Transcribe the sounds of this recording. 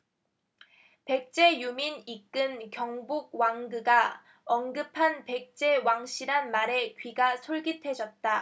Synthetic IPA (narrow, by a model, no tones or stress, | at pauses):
pe̞k̚t͡ɕ͈e̞juminik͈ɯnkjʌŋbuɡ̚waŋɡɯɡa | ʌnɡɯpʰanpe̞k̚t͡ɕ͈e̞waŋɕ͈ʰiɾɦanmaɾe̞kɥiɡasʰoɭɡitʰwe̞d͡ʑʌt̚t͈a